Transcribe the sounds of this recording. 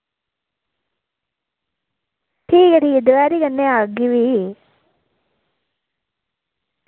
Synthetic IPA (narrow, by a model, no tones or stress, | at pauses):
ʈʰiːkeʈiːd̪uʋaːɾikɐnːeaɡiʋi